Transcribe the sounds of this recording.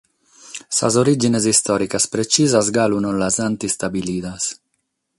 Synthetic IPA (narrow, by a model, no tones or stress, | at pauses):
sa̰zoɾid͡ʒinezist̪ɔːɾikaspɾet͡ʃiːzazɡalunolazant̪ist̪abiliːd̪as